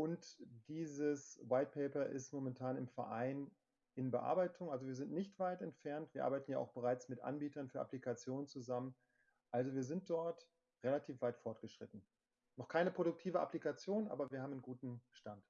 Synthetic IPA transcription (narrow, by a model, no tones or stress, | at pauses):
ʔʊntd̥iːzəswaɪt̚pʰɛɪpɐʔɪ̰stmomɛntʰaːnɪmfɛɐʔaɪn | ʔɪnbəʔa̰ɐbaɪtʰʊŋʔalzoviːɐzɪntnɪçtv̥aɪtɛntfɛɐntviɐa̰ːbaɪtn̩jaːa̰ʊxb̥əʁaɪt͡smɪtʔa̰nbiːtɐnfyːɐʔaplikʰat͡sjoːnənt͡suzamən | ʔalzoviːɐzɪnt̚d̥ɔɐt | ʁelatʰiːfv̥aɪtfɔɐt̚ɡ̥əʃʁ̥ɪtn̩ | nɔχkʰaɪnəpʁ̥oɾʊk̚tʰiːvəʔa̰plikat͡sjoːnʔa̰ːbɐviːɐhaːbmnənɡuːtn̩ʃtant